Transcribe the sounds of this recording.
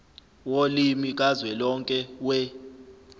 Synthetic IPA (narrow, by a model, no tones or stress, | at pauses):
wolimik̬ʼazwɛlɔŋkʼɛwɛ